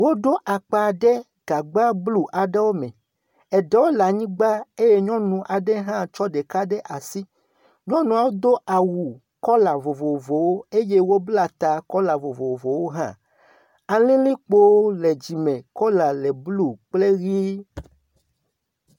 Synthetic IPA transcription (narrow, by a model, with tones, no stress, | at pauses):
wo˦do˦ʔa˨k͡pa˨ɖɛ˦ | ɡ̥a˨ɡ͡ba˦blu˦ʔa˨ɖɛ˦wo˦mɛ̃˨ | ɛ˨ɖɛ˨wo˦la˨ɲĩ˦ɡ͡ba˦e˦je˦ɲɔ̃˦nũ˨ʔa˨ɖɛ˦ɦã˦t͡ʃɔ˦ɖe˨ka˦ɖɛ˦ʔa˨si˦ | ɲɔ̃˦nũ˨a˨wo˦d̪o˦ʔa˨wu˨ | kɔ˦la˨vo˨vo˨vo˨wo˦e˦je˦wo˦bla˨t̪a˨kɔ˦la˨vo˨vo˨vo˨wo˦ɦã̰˦ | a˨lĩ˦li˦k͡po˦lɛ˨d͡ʑi˨mɛ̃˨kɔ˦la˨lɛ˨blu˦k͡ple˦ɣi˦